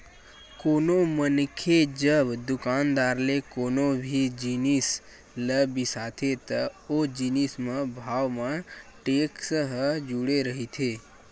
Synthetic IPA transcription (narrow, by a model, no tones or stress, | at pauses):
konomənkʰed͡ʒəbd̪ʊkand̪aɾlekonobʱid͡ʒinis | ləbisat̪ʰet̪əod͡ʒinismãbʱaʋmãʈeksəɦəd͡ʒuɽeɾəɦit̪ʰe